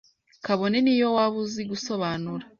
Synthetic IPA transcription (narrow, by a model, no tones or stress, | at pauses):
kaβo̞nenijo̞waβuziɡuso̞βaːnuɾa